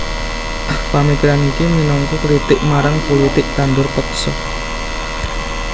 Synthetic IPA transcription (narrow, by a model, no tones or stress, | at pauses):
pamit̪iɾanikiminɔŋkukɾit̪ɪʔ̚maɾaŋpolit̪ɪk̚ɡ̥and̪ʊrpət̪sɔ